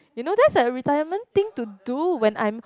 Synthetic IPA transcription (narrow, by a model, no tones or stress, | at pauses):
junod̪ɛtsəɹitajəmə̃nt̪ĩŋtuduwɛ̃nã̰j̃m